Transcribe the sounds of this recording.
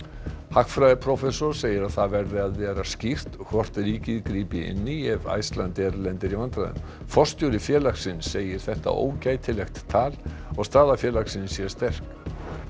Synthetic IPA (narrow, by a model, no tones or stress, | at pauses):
hakfɾajðɪpʰɾɔfɛsɔɾ̥seːjɪɾaðθaðvɛɾðɪaðvɛːɾascir̥t̪kʰvɔr̥t̪ɪɾiːcɪðkɾiːpɪɪ̰nːɪɛva̰jst̪lant̪ɛɾlɛnt̪ɪɾivant̪ɾaðʏ̰m | fɔr̥st̪jowɾɪfjɛːlaksɪnsːeːjɪɾ̥θɛht̪a̰ʔo̰ːwcaːjt̪ʰɪlɛxt̪ːʰaːlɔɣst̪aːðafjɛːlaksɪnsjɛ̥st̪ɛr̥k